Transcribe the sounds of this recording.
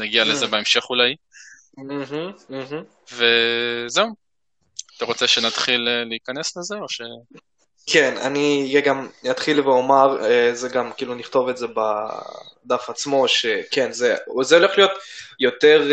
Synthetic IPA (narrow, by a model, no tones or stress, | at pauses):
naɡialezzebeemʃe̞χulaj | m̩ɦm̩ɦm̩ | vezeu | at̪aʁo̞t͡seʃenat̪χileliikane̞slezeoʃe | kʰena̰niɡamjat̪χilveo̞maʁezeɡamkiiːluniχt̪o̞vetze̞ba̰ | d̪afat͡smo̞ʃe̞ke̞nzezeole̞χlijo̞t̪jo̞t̪eʁ